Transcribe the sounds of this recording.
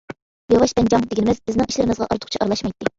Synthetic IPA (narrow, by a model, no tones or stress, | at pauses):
jɑwɑʃbɛnd͡ʒɑŋd̪ɪɡʲinɪmɪzbɪznɪŋiʃlɪɾɪmɨzʁɑ̰ʔɑɾt̪ʊ̥χt͡ʃʰiʔɑɾlˠɑʃmɑjt̪ʰːɪ